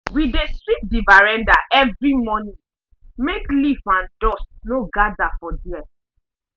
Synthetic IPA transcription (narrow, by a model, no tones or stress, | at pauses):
widestɹit̚divaɹɛ̃ndaʔɛvɹimɔnĩ | meklifãndɔstnoɡadafɔduɛ